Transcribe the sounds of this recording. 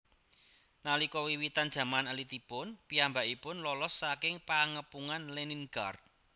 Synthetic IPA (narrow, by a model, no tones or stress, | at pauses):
nalikɔwiwit̪and̥ʒ̥a̤manəlit̪ipʊnpiambaʔipʊnlɔlɔsːakɪŋpaŋəpuŋanleninɡ̥art̪̚